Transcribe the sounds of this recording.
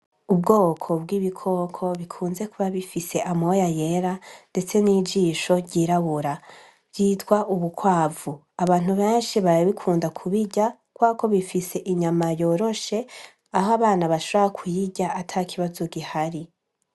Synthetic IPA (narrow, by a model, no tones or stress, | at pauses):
ub̚ɡo̞ːkʰo̞bɡiːβikʰo̞kʰo̞βikʰuːnze̞kuβaβifise̞ʔamojaje̞ɾande̞t͡se̞niːd͡ʒiːʃo̞ɾɟiːɾaβuɾa | bjiːtɡwaʔuβukwaːvu | aβaːn̥uβe̞ːnʃiβaɾaβikʰuːndakʰuβiɟa | kwaːko̞βifise̞ʔiɲamajo̞ːɾo̞ʃe̞ | aɦoaβaːnaβaʃoβohakʰujiɟaatʰakʰiβazoɡihaɾi